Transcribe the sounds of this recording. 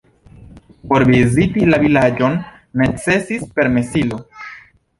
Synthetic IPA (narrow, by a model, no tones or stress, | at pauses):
po̞ɾvizitilavilad͡ʒo̞nː | et͡se̞sispe̞ɾme̞silo̞